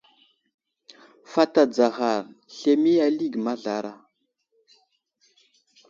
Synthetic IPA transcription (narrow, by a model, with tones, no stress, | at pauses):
fa˦ta˨d͡za˨ɣa˨ɾɬe˨mi˦a˦li˦˨ɡma˦ɮa˨ɾa˦˨